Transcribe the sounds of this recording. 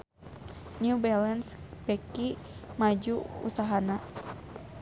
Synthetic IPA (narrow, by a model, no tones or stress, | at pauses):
nubɛlɛnspɛki | mad͡ʒuṵsaɦana